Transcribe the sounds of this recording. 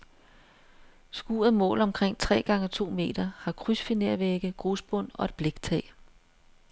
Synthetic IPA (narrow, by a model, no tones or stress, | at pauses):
sɡ̥ṵːɐð̩ˠmɔ̰̽ːlɒ̽mkʰʁeŋ̰t͡sʰʁɛ̰ːɡ̥ɑ̈ŋət͡sʰo̝̰ːme̝̰ːd̥ɐhɑ̈kʰʁysfineɐ̰ʋeɡ̥əɡ̥ʁuːsb̥ɔ̽n̰ɒ̽e̝d̥̚b̥leɡ̥̚t͡sʰɛː